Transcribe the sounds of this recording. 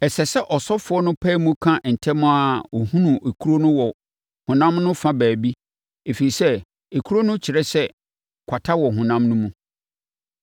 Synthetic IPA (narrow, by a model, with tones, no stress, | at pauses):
ɛ˨sɛ˨sɛ˦ʔɔ˨sɔ˦fʊ˨˦ɔ˦nʊ̃˦pʰɛ˦mũ˦kʰã˦ʔn̩˨tʰɛ˦mʊ̃˦a˨o˨hũ˦nũ˨e˨kʰu˦ɾo˦nʊ̃˦wɔ˨ | hʊ̃˨nã˦mnʊ̃˦fã˦bæː˨bi˦ | e˨fe˨ɾi˨sɛ˦ | e˨kʰu˦ɾo˦nʊ̃˦t͡ɕʰɪ˨ɾɛ˦sɛ˦ | kʷʰa˨tʰa˦wɔ˨ɦũ˨nã˦mnʊ̃˦mũ˦